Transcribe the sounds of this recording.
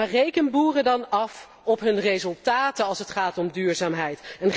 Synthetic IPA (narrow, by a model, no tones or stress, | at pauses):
arejkənbuːrədɑnɑf | ɔpɦɵnrejzɵlˠtaːtəɑlˠsɦətχaːtɔmdyːɹzaːmɦɛjtɛn